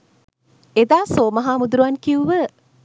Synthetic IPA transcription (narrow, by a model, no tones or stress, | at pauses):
ed̪aːsoːmɐɦaːmud̪uɾuʋankiuʋə